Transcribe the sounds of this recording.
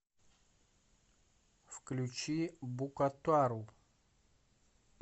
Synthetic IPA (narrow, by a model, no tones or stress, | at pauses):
fklʲut͡ɕibukɐt̪uaɾup